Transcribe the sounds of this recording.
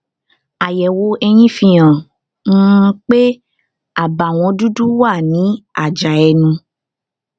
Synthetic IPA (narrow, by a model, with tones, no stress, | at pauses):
a˨jɛ˨wo˨˧ɛ˧j̃ĩ˦fĩ˧ã˨˦˧ | k͡pe˦ | a˦˨ba˨w̃ɔ̃˧du˦du˦wa˦˨nĩ˨˦a˦˨d͡ʒa˨ɛ˧nũ˧